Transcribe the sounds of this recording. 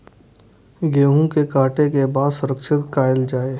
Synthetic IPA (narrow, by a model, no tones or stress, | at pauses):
ɡeːɦũkekaːʈekebaːd̪sʊɾəkʃɪt̪kaːɪld͡ʒaːe